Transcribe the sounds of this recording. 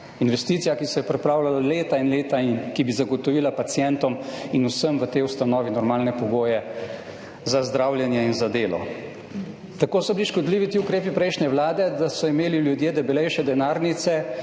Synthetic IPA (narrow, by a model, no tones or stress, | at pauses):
inʋɛst̪iːt̪sijakisɛjɛpɾɛpɾaːwlalaleːt̪ainleːt̪ainkibizaɡɔt̪ɔʋiːlapat̪sjɛnt̪ɔminusəmʋət̪eːust̪anɔːʋinɔɾmaːlnɛpɔɡoːjɛ | zazd̪ɾawljɛnjɛinzad̪eːlɔ̰ | t̪akoːsɔbiliʃkɔd̪liːʋit̪iukɾeːpipɾɛjʃnɛʋlaːd̪ɛd̪asɔimeːliljud̪jeːd̪ɛbɛlɛjʃɛd̪ɛnaːɾnit̪sɛ